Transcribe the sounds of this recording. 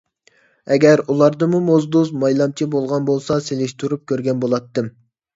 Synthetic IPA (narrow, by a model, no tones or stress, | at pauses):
ɛɡʲɛɾulˠɑɾd̪ɨmumozd̪uzmɑjlˠɑmt͡ʃʰibolˠʁɑnbolˠsɑselɪʃt̪ʰuɾup̚kʲøɾɡʲɛnbolˠɑt̪ːɨm